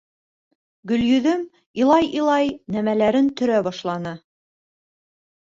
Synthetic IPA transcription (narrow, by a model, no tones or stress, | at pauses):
ɡɵ̆ljɵ̆ðɵm | ilˠɑjilˠɑjnæmælæɾɘnt̪ɵ̆ɾæbɑʃlˠɑnɤ